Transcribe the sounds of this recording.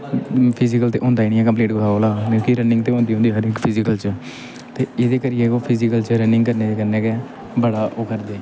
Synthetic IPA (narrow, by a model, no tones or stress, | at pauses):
pʰɪzɪkəlt̪ḛːɦõːnd̪aːiːnĩɛ̃ːkəmpleːʈɡʊɾaːoːlaːkõːkiɾənɪŋɡt̪eːɦõːnd̪iːõːnd̪iːɦəɾɪkpʰɪzɪkəlt͡ʃə | t̪eːɪd̪eːkəɾieːoːpʰɪzɪkəlt͡ʃəɾənɪ̃ŋkəɾneːd͡ʒeːkəɾneːkeː | bəɽaːʔoːkəɾd̪eː